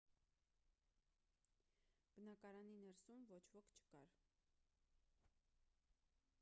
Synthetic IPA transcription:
b̥ənɑkɑɾɑninɛɾsumvɔt͡ʃʰvɔkʰt͡ʃʰə̥kɑ̰ɾ

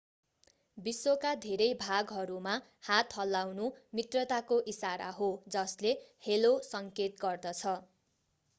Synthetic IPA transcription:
bisːokad̪ʱeɾʌjbʱaɡɦʌɾuma | hat̪hʌlːawnumit̪rʌt̪akoʔisaɾa̰ɦod͡zʌslehelosʌŋket̪ɡʌrd̪ʌt͡sʰʌ

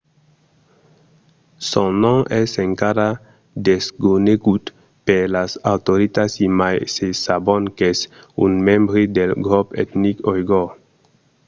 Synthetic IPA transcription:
sõnɔ̃ŋɛseŋkaɾa | d̪eskuneɡut̪ | peɾlasawt̪oɾit̪asimajsesabɔŋkes | ṵnmɛ̃mbɾid̪elɡɾɔpḛt̪nikɔjɡo

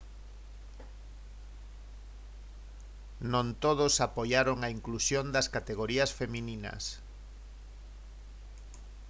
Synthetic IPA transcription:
nõnt̪oðosapojaɾoŋaiŋklusjond̪ɐskat̪eɣoɾiɐsfemĩninɐ̰s

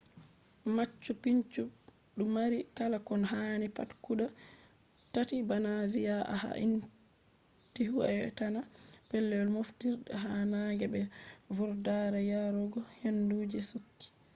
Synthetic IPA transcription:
mat͡ʃːupiɲt͡ʃu | ɗumaɾikalakɔnhaːnipa̰tkuɗa | tatibanavijaʔa̰ha̰ʔḭn | tiɦuɛtanapɛlːɛɔlmoftiɾɗɛɦanaɡɛbɛvuɾdaɾajaɾɔɡɔhenduːd͡ʒɛsukːi̥

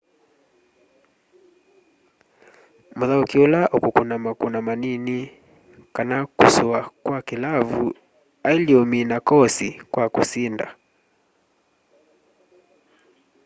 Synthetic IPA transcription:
muðaukiɔlaʔukukunamakunamanini | kanakṵsuakwakilavu | ailiɔminakɔsikwakusinda̰

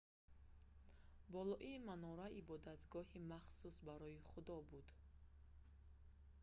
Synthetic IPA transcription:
bɔlɔʔimanɔɾaʔibɔd̪at̪ɡɔhimaχsusbaɾɔjiχud̪ɔbud̪

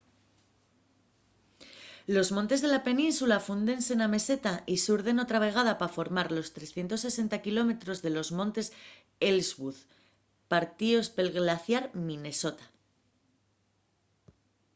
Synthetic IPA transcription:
lo̞zmont̪e̞zð̞e̞lape̞nĩnsulafund̪e̞nse̞name̞se̞t̪aʔisuɾð̞e̞no̞t̪ɾaβ̞e̞ɣ̞aðapafo̞ɾmaɾlo̞st̪ɾe̞sθje̞nt̪o̞sːe̞se̞nt̪akilo̞me̞t̪ɾo̞zðe̞lo̞zmõ̞nt̪e̞s | elzβuð | paɾt̪io̞spe̞lɣlaθjaɾmĩne̞so̞t̪ḁ

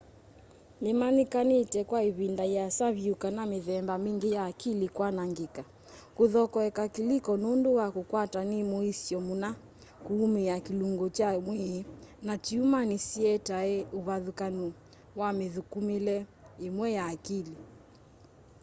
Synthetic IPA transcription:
limanikanitɛkwaiβindajasaβjukanamiðɛmbamiŋɡijaːkilikwanaŋɡika | kuðɔkɔɛkakilikɔnunduwakukwatanimuisiɔmuna | kuːmijakiluŋɡɔt͡ʃamwinat͡ʃiumanisiɛtaɛuβaðukanu | wamiðukumilɛ | imwɛjaːkili

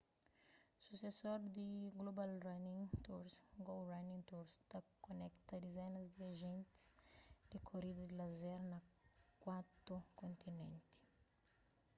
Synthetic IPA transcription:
susesoɾd̪iɡlobalranĩŋt̪uɾsɡowranĩŋt̪uɾst̪ɐkonɛkt̪ɐd̪izɛnɐzd̪iaʒẽnt̪i̥sd̪̥ikʰoɾid̪ɐd̪ilɐzɛɾnɐkwat̪okõnt̪inḛ̃nt̪i̥

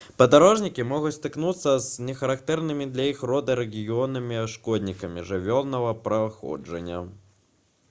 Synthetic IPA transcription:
pɐd̪aɾɔʐnʲikʲimɔɣut͡sʲt̪ɨknut̪sːɐznʲɛxɐɾakt̪ɛrnɨmʲid̪lʲɐjixrɔd̪ɨɾɛɣʲijɔnɨmʲiʂkɔd̪ʲnʲikɐmʲḭʐɨvʲɔlˠnɐvɐpɾɐxɔ̰d͡ʐɐ̰nʲːɐ̰

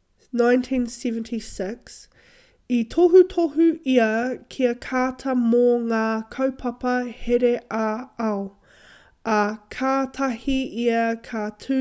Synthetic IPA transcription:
nãjntʰĩnsɛvə̃ntʰisɪks | itʰoɦutʰohuiɐkʰiɐkʰaːtʰɐmoŋaːkʰɐwpʰɐpɐheɾeʔaɐo | ɐkʰaːtʰɐhiiɐkʰatʰʉ

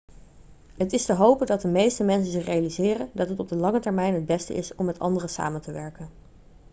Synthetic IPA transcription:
ɦətɪstəɦowpəndɑt̚dəmejstəmɛnsənzɪχrejalizɪːrəndɑtɦətɔb̚dəlɑŋətɛɹmɛjnɦəd̚bɛstə̰ʔɪsɔmːɛtɑ̰ndərəsa̰ːməntəʋɛɹkən

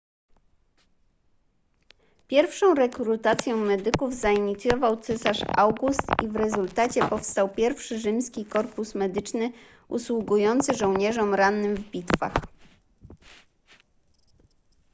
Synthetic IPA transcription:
pʲjɛɾfʂɔ̃w̃ɾɛkɾut̪at̪sʲjɔ̃w̃mɛd̪ɘkuvzaiɲit̪sʲjɔvawt̪sɛsaʂawɡust̪ivɾɛzult̪at͡ɕɛpɔfst̪awpʲjɛɾfʂɘʐɘmskʲikɔɾpusmɛd̪ɘt͡ʂnɘ | ṵswuɡujɔnt̪sɘʐɔwɲɛʐɔmɾanːɘmvbʲit̪fa̰x

